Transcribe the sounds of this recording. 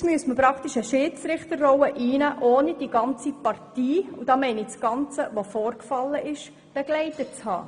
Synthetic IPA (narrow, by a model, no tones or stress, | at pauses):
smyəsməpɾɑkt̪iʃəʃɪːt͡sɾɪχtəɾrɔwəʔiːnæʔoːnid̥iɡ̥ɑnt͡sipɑrtiːud̥ɑːmɛɪnɪsɡ̥ɑnt͡səʋofɔːrkfɑlːəʔɪʃ | b̥ɛɡ̥lɛɪtət͡shɑ̰ː